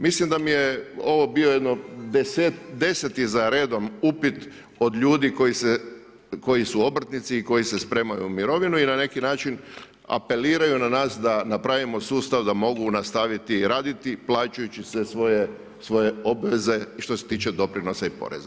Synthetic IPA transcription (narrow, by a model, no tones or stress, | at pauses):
mislimd̪amijeo̞ʋo̞biojed̪nod̪eset̪d̪e̞set̪izaɾe̞ːd̪o̞mupit̪ | o̞d̪ʎuːd̪iko̞jise | ko̞jisuo̞br̩t̪nit̪siːko̞jise̞spɾe̞ːmajṵmiɾo̞ʋinuinane̞kinaːt͡ʃin | a̰pe̞liːɾajunanaːsd̪anapɾaʋimo̞suːst̪aʋd̪amo̞ɡunast̪aʋit̪iɾaːd̪it̪iplˠaːt͡ʃujut͡ɕisʋesʋo̞je | sʋo̞je̞o̞bʋe̞ze̞ʃt̪o̞set̪iːt͡ʃed̪o̞pɾino̞saipo̞̰ɾe̞̰za